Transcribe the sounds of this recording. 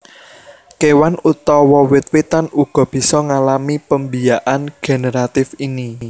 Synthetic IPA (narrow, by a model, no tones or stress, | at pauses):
kewanut̪ɔwɔwɪt̪̚wet̪anuɡ̥ɔ̤b̥i̤sɔŋalamipəmbijaʔanɡ̥e̤neɾat̪ɪfini